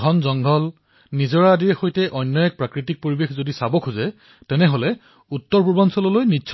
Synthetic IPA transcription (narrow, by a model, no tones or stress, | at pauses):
ɡʱɔnzɔŋɡʱɔl | nizɔɹaːdiɹɛxojtɛʔɔjnːɔjɛk̚pɹakɹitik̚poɹibexzodisabɔkʰuzɛ | tɛnɛɦolɛ | utːɔɹpuɹbɔnsɔlɔlojnitːsʰ